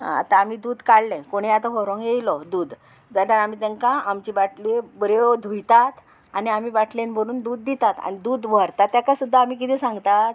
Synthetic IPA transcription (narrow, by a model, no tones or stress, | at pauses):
ɦã̰a̰t̪ãam̤iːd̪uːd̪kaɭːẽkoɽ̃ejat̪aɦɔɾɔ̃ŋɡjejlɔd̪uːd̪ | d͡zaʈaɾam̤iːt̪ɛŋkãamt͡ɕibaʈʰlibəɾjod̪ʱujt̪at̪ | aniam̤iːbaʈʰlenbəɽ̃uːnd̪uːd̪ːit̪at̪a̰ñid̪uːd̪ʋʱəɾt̪at̪ːjakasud̪ʱːaːm̤iːkit̪ʰɛsãŋɡt̪at̪̚